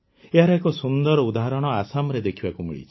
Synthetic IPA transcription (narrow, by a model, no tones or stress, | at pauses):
eɦaɾeekɔsund̪ɔɾɔud̪aɦaɾɔɽ̃ɔasamɔɾed̪ekʰibakumḭɭḭt͡ʃʰi̥